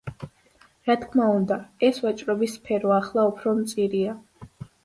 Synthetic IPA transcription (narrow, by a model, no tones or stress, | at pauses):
ɾat̪ʰkʰmaund̪aɛsvat͡ʃʼɾɔbisːpʰɛɾɔaχlˠaupʰɾɔmt̪sʼiɾia